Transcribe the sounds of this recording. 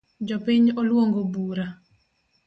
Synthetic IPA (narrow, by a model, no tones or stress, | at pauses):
d͡ʒɔpiɲolwoŋɡobuɾa